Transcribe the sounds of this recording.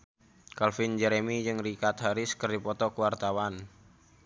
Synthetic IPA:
kalfind͡ʒɛɾemid͡ʒɨŋrikat̪̚haɾɪskərdipɔt̪ɔkəwart̪awan

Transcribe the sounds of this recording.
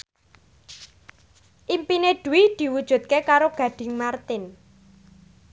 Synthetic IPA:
ʔimpineɖ̪̥ṳwid̪̥i̤wud̥ʒ̥ṳt̪̚kekaɾoɡ̥ä̤ɖ̥ɪ̤ŋmart̪ɪn

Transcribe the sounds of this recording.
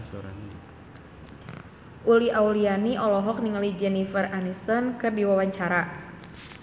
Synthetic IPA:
ʔuliʔaulianiʔɔlɔɦɔk̚niŋəlid͡ʒɛnifəranist̪ɔnkɨdiwawaɲt͡ʃaɾa

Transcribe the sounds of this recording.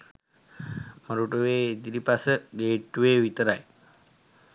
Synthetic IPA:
məɾuʈuʋeːid̪iɾipasəɡeːʈːuʋeːʋit̪əɾaj

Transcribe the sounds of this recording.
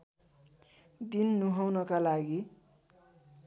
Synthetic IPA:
d̪inːuɦawnʌkalaɡi

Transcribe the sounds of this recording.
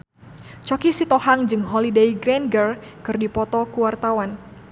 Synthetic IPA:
t͡ʃɔkisit̪ɔhaŋd͡ʒɨŋɦɔlidejɡɾɛnɡərkɨrdipɔt̪ɔkuwart̪awan

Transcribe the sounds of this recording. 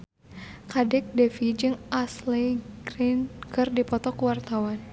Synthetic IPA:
kadɛk̚dɛfid͡ʒɨŋʔasleɡɾinkɨrdipɔt̪ɔkuwart̪awan

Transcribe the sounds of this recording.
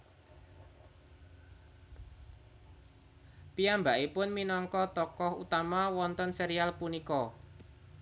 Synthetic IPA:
piambaʔipʊnminɔŋkɔt̪ɔkɔhut̪amawɔnt̪ɔnseɾialpunikɔ

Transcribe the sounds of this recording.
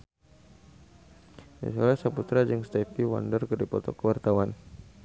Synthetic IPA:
dḭsolɛhsaput̪ɾad͡ʒəŋst̪ɛfiwa̰ndərkərdipɔt̪ɔkəwart̪awan

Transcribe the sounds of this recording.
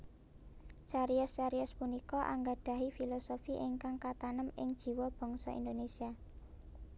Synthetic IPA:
t͡ʃaɾiʊst͡ʃaɾiʊspunikɔʔa̰ŋɡaɖ̪̥ä̤ɦifilosofiʔɪŋkaŋkat̪anəmɪ̰ŋd̥ʒ̥i̤wɔb̥ɔ̤ŋsɔ̰ḭnd̪onesia

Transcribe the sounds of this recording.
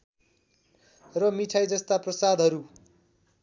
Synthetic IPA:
rʌmiʈʰajd͡zʌst̪aprʌsad̪ʱɦʌɾu

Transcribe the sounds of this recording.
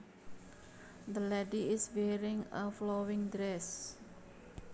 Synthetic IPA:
d̪əlɛdiɪswɛɾĩŋəflowɪ̃ŋdɾɛs

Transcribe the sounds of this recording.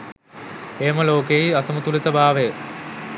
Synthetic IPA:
eːmɐloːkeiɐsɐmut̪ulet̪ɐbaːʋe

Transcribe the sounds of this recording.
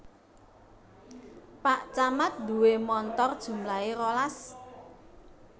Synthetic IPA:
paʔt͡ʃamat̪̚d̪ṳwemɔnt̪ɔrd̥ʒ̥ṳmlaeɾolas

